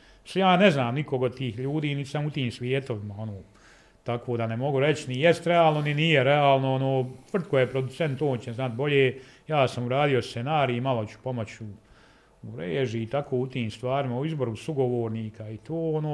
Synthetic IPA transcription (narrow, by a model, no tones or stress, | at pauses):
sjaːneznaːmnikoɡot̪iːhʎuːd̪iːnit̪samut̪iːmsʋʲjeːt̪o̞ʋimao̞noː | t̪akoːd̪anemo̞ɡuɾet͡ɕnijest̪ɾeaːlˠnoniniːjeɾeaːlˠnoonoːt̪ʋr̩t̪̚kojepɾo̞d̪ut̪sent̪ːoːnt͡ɕeznat̪̚boʎeː | jaːsamuɾaːd̪io̞st̪senaːɾimalo̞t͡ɕu̥po̞mot͡ɕu | uɾeːʒiːt̪akʰoːut̪iːmst̪ʋaːɾimauizbo̞ɾusuɡo̞ʋoːɾniːkʰait̪ʰoːonoː